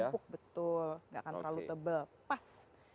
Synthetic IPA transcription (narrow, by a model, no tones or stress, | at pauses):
ʊk̚bət̪ʊlŋɡaʔakanəɾlalut̪əbəlpas